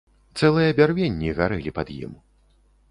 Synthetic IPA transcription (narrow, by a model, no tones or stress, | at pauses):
t̪sɛlˠɨjɐːbʲarvʲenʲːiɣaɾɨlʲipɐd̪jḭm